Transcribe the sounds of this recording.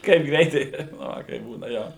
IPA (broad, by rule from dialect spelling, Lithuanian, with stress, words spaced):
ˈkɐɪp ˈɡrʲɛɪtɐɪ nʊ ˈʋɐ kɐɪp ˈbuːnɐ ˈjoː